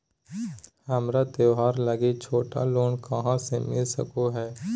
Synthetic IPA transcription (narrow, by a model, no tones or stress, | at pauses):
hɐmɾat̪eɦaːɾləɡet͡ʃʰoːʈa̰loːnkəɦãsemɪlsə̰koɦɛː